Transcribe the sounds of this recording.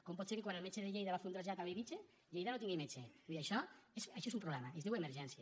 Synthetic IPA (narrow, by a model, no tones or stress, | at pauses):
kɔmpɔt̪seɾkekwanelmet͡ʃeðeʎejðaβafunt̪ɾazʒat̪ameβit͡ʃe | ʎejðanot̪iŋɡemet͡ʃebiðiajʃɔesajʃɔesumpɾoβlɛmaezðiwemeɾʒɛnsja